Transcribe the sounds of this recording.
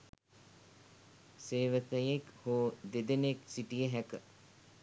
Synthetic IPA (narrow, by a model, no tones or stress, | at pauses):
seːʋət̪əjekhoːd̪ed̪eneksiʈijəɦækə